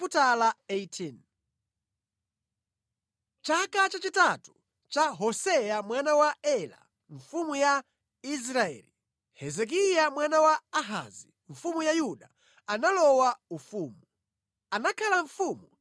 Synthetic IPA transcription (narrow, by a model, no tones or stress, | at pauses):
putalaetʰin | t͡ʃakat͡ʃat͡ʃitatu | t͡ʃaɦɔsɛjamwanawaɛla̰ | ɱfumuja | is̬ɾaɛ̰li | hɛzɛk̬ijamwanawaːɦa̰zi | ɱ̩fumujajuɗa | analɔwaufuːmu | anakʰalaɱ̩fumu